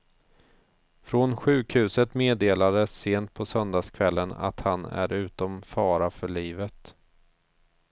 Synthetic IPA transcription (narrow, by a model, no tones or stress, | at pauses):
fɾɔnɧʉ̟ːkhʉ̟ːsət̪meːd̪eːlad̪əsːeːnt̪̚pʰɔsœnd̪aːskʰvɛlːəna̰t̪hanæ̰ɾʉ̟ːt̪ɔmfɑːɾafœɭiːvət̪